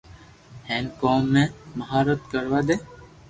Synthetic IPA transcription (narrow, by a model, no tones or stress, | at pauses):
heːnkoːmːẽːməɦaːɾət̪kəɾʋaːd̪eː